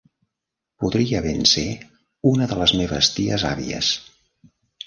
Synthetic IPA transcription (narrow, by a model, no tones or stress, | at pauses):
puðɾiəβense | unəðələzmeβəst̪iəza̰βḭə̰s